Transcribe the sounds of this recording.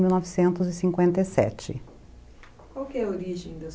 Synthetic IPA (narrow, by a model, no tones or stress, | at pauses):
miwnɔvɪsẽnt̪ʊzɪsĩŋkwẽnt̪ɐjsɛ̰t͡ʃɪ̰ | kwawkɪɛoɾiʒẽd̪ɐ